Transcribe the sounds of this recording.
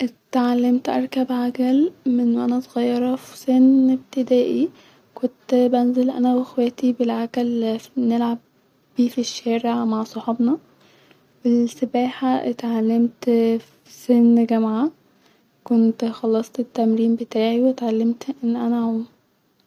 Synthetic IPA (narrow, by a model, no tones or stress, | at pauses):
ʔt̪ʕalːemt̪ʔɑ̰ɾˤkæbʕaɡælmenwʔænæsˤɣɑjːɑɾˤɑfseneb̚t̪ed̪æːʔi | kont̪bænzelʔæ̰næwexwæːt̪ibelʕakælnelʕab̥ː | iːfiʃːæːɾeʕmaʕsˤoħɑbnɑ | belsæbæːħat̪ʕalːemt̪f | senɡæmʕa | kont̪xɑlːɑsˤt̪et̪ːæmɾiːmbet̪aːʕiwet̪ʕalːemt̪ʔenːʔænæ